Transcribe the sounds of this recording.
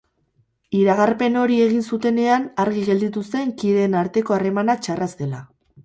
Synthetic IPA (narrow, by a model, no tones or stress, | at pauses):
iɾaɣ̞arpe̞no̞ɾie̞ɣ̞insut̪e̞ne̞anaɾɣiɣe̞ld̪it̪ust̪e̞ŋkiðe̞naɾt̪e̞ko̞are̞manat͡ʃarast̪e̞la